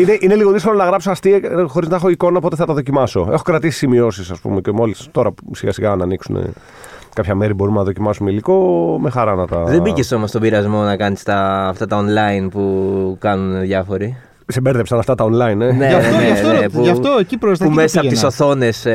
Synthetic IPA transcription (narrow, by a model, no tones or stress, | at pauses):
ineʔine̞liɣo̞ðiskolonɐɣɾɐpsoɐst̪ixoɾiznɐexo̞iko̞nɐopo̞t̪eθɐt̪ɐðo̞cimɐso̞e̞xokɾɐt̪isi̥simio̞sisɐspṵmecemo̞list̪o̞ɾɐsiɣa̰siɣɐnɐːniksunḛ | kɐpçɐmeɾibo̞ɾumnɐðocimɐsumeiliko̞me̞xɐɾɐnɐt̪ɐðebiceso̞most̪obiɾɐzmo̞nɐkɐnist̪ɐːft̪ɐt̪ɐonlɐinpukɐnuneðʝɐfo̞ɾi | sibeɾðepsɐnɐft̪ɐt̪ɐonlɐineneɐneɐnepuʝɐft̪oecipɾost̪ɐpummesɐt̪isoθo̞ne̞s